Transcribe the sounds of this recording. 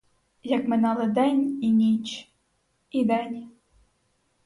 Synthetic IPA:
jɐkmɪnɑlˠɨd̪ɛnʲinʲit͡ʃ | id̪ɛnʲi

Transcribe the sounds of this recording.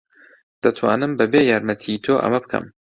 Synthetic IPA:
d̪̥ɐt̪ʰwa̰ːnɨmbɐbeːjaːɾmɐt̪ʰit̪ʰoːʔɐ̰mɐbɨkʰɐ̰m

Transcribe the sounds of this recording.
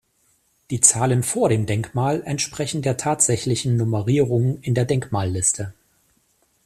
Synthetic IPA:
d̥iːt͡saːlənfoːɐɾeːmdɛŋkmaːlɛntʃpʁ̥ɛçn̩deːɐtʰaːtz̥ɛçlɪçn̩ːʊməʁiːʁ̞ʊŋɪndeːɐdɛŋkmaːlːɪstʰə

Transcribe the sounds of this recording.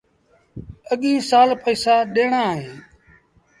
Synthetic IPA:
əɠĩːsaːlpəiːsaːɗeːɳaːɦẽː

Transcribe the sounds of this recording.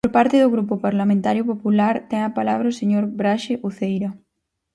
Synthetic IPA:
poɾpaɾt̪ɪðʊɣɾup̬ʊpaɾlamẽnt̪aɾjʊpopulaɾt̪ɛŋapalaβ̞ɾɐoseɲoɾbɾaʃeʔuθejɾa

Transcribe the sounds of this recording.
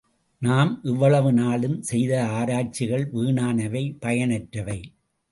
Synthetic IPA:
naːmʔɪʋːɐɭɐʋɯnaːɭɯmsɛjðɐaːɾaːt͡ʃːɪɣɐɭʋiːɳaːnɐʋɐɪpɐjɐnɐʈɾɐʋɐɪ

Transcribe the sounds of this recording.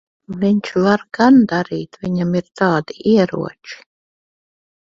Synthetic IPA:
viɲt͡ʃvaɾɡand̪aɾiːt̪vʲiɲamiɾt̪ɑːd̪iʔiɛɾṵɔt͡ʃi̥

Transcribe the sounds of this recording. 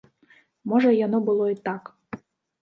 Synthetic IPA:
mɔʐɐjanɔbɨlˠɔit̪ɑk

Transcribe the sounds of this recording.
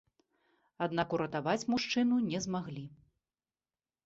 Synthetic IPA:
ad̪nakuɾɐt̪avat͡sʲmuʂt͡ʂɨnunʲɛzmaɣlʲi

